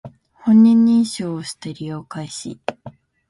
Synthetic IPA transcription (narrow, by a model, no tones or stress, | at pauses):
hõ̞ɲ̟ːĩɲːĩɰ̃ɕoːoɕi̥t̪eɾʲijoːkaiɕḭ